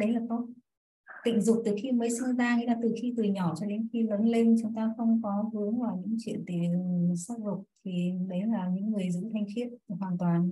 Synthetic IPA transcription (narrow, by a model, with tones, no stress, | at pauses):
ɗə˨˦jlaː˨˩t̪o˦˥t̚ | t̪ḭ˧˨ŋ̟zʊ˨˩k͡p̚t̪ɨ˨˩xi˧mə˨˦jsɨ˧zaː˧ŋḭ˧˥zaː˧˩t̪ɨ˨˩xi˧t̪ɨ˨˩ɲɔ˧˩t͡ɕɔ˧ɗe˨˦nxi˧ləː˨˦nlï˧ŋ̟t͡ɕʊ˨˦ŋ͡mt̪aː˧xə˧wŋ͡mkɔ˨˦ɦɨ˨˦əŋvaː˨˩ɲɨ̰˧˥ŋt͡ɕwḭ˧˨ənt̪i˧˩saː˦˥k̚zʊ˨˩k͡p̚t̪ʰi˨˩ɗə˨˦jlaː˨˩ɲɨ̰˧˥ŋːɨ˨˩əjzɨ̰˧˥t̪ʰa˧jŋ̟xʰi˦˥ət̚hwaː˨˩nt̪waː˨˩n